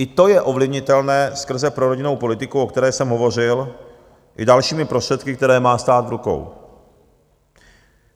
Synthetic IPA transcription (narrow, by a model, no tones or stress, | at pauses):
ʔɪt̪o̞jɛʔo̞vlɪvɲɪt̪ɛlnɛːskr̩zɛpɾo̞ɾoɟɪno̞wpo̞lɪt̪ɪkuʔo̞kt̪ɛɾɛːsɛmɦo̞vo̞r̝ɪl | ʔɪ̰dalʃiːmɪpɾostr̥ɛt̪kɪkt̪ɛɾɛːmaːst̪aːt̪vɾuko̰w